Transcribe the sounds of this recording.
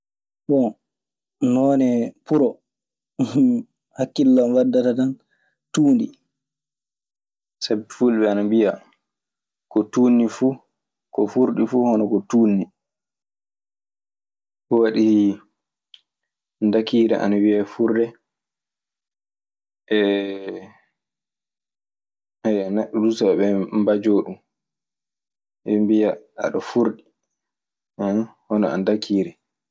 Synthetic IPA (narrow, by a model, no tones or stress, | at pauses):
ɓɔ | nɔːnɛpuɾɔ | hakːilːamwadːatatan | tuːndi | sabɛfulɓɛanambia | kɔtuːnːifuː | kɔfuɾɗifuːhɔnɔkɔtuːnːi | kɔwaɗih | ndakiːɾɛ̰ʔa̰nawiafuɾdɛ | ɛ | hajanaɗudusaɛɓɛmbad͡ʒoːɗum | ɛmbijaa̰ɗɔfuɾɗi | hɔnɔa̰ndakʰiːɾɛ